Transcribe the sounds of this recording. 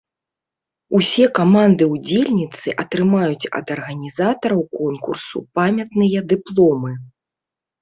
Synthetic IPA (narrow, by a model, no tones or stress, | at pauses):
usʲɛkamand̪ɨwd͡zʲelʲnʲit̪sɨʔɐt̪ɾɨmajut͡sʲɐ̰d̪ɐrɣɐnʲizat̪ɐɾɐwkɔnkursṵpamʲɐt̪nɨjɐd̪ɨplˠɔmɨ